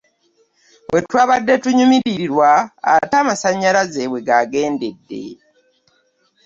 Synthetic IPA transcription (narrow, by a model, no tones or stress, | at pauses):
wʔetwaːβadːe̞tuɲumiɾiɾiɾwa̰ːtaːmasaɲːalazeβwe̞ɡaɡe̞ːnde̞dːe̞̰